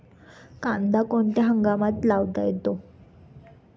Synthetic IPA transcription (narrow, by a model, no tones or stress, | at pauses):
kand̪akoɳt̪jaɦəŋɡamat̪laʋt̪a̰jet̪o